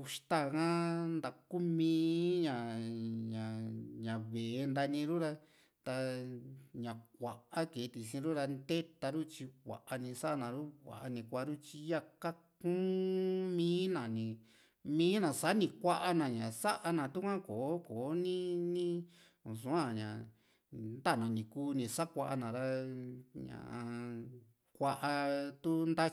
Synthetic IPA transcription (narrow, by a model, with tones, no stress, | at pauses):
u˧ʂt̪a˦˨˧kã˦nd̪a˧ku˦mĩː˧˦ɲã˨ɲã˨ɲã˨βe˨˧nd̪a˧nĩ˧ɾu˦ɾa˧ | t̪a˧ | ɲã˨k̚ʷa˨ʔa˦ke˨˧t̪i˧sĩ˧ɾu˦ɾa˧nd̪e˦t̪a˧ɾu˦t͡ʃi˧kʷa̰˨ʔa˧nĩ˧sa˦ʔa˧nã˨ɾu˦kʷa̰˨ʔa˧nĩ˧kʷa˧˦˧ɾu˦t͡ʃi˧ja˧ka˦kũ˦mĩː˦nã˨nĩ˧ | mĩː˦nã˨sa˨˦nĩ˧kʷa˦ʔa˧nã˨˧ɲã˨sa˦ʔa˧nã˨t̪u˦kʷã˦koː˨˦koː˨˦nĩ˦nĩ˦ | ũ˨sũ˨˦ã˦˨ɲã̰˨ | nd̪a˦˨nã˨nĩ˧kuː˦nĩ˧sa˦kʷa˧ʔa˧nã˨ɾa˦˧ɲã̰˨ʔã˧ | kʷa˧ʔa˧t̪u˦nd̪a˦